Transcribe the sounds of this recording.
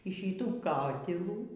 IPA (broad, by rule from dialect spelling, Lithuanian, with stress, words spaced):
iː ˈʃʲiːtuː ˈkɑːtʲɪlˠuː